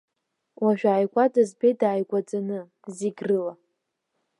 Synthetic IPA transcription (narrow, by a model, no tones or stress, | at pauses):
wʔaʒᶣʷaːjɡʷʼadazbejdaːjɡʷad͡zʼanɨ | ziɡrɨla